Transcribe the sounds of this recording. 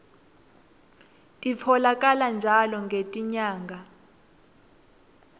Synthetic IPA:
tʼifʰɔlak̬ʼaland͡ʒʱalɔŋɡʱetʼiɲaːŋɡʱa

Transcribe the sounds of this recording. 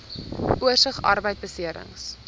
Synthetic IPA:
uərsəχɐ̰rbəjt̚bəsiəɾə̰ŋs

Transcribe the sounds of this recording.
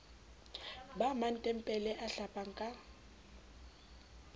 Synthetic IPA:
baman̩tʼɛm̩pʼɛlɛʔaɬapʼaŋ̩kʼa

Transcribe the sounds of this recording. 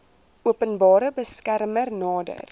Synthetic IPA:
ʔuəpənbɑːɾəbəskærmərnɑːdə̰r

